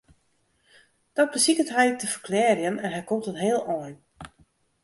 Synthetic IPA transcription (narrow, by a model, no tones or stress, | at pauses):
d̥ɔt̚bəsikətɦɛjtəfərklɛːrjənɛnɦɛjkomtətɦeːəlˠɔjn